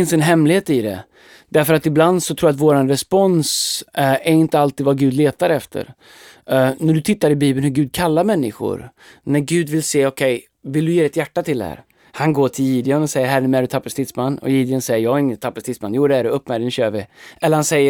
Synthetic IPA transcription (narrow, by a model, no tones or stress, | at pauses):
ɪnsɛnɦɛmlɪheːt̪ɪd̪ɛ̰ | d̪̥æɾfœɾat̪ɪbland̪sɔt̪ʰɾuːjat̪voːɾanɾɛspɔns | æɾɪnt̪əalt̪iːd̪vaɡʉ̟ːd̪leːt̪aɾɛft̪ʰə̰ɾ | næɖɵt̪ʰɪt̪ːaɾɪbiːbənhɵɡʉ̟ːd̪̚kʰalːaɾmɛnːɪ̰ɧʊ̰ɾ | næɾɡʉ̟ːd̪vɪlseːɔkʰɛj | vɪld̪ɵjeːd̪ɪt̪jæʈːat̪ʰɪld̪ɛ̰hæ̰ːɾ | hanɡoːʈʰɪljiːd̪ɪɡanɔsɛjːəɾɦæɾmæɖɵt̪ʰapːast̪ɪt̪smanːɔ̰jiːd̪ɪənsɛjːəjɑːɡɪŋːənt̪ʰapːast̪ɪt̪sma̰njuːd̪ɛæɖɛɵpːmæɾənɕøːɾvɪʔɛlːəɾhansɛjːə